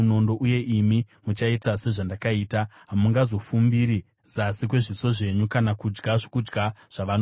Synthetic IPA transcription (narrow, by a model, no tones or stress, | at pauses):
uno̞ndo̞ʔuje̞ʔimi | mut͡ʃaitase̞ʐandakaiːta | ɦamuŋɡazo̞fumbiɾi | zasik̬we̞ʐiso̞ʐe̞ɲukanakud͡ʒɡaʐokud͡ʒɡaʐ̥aʋano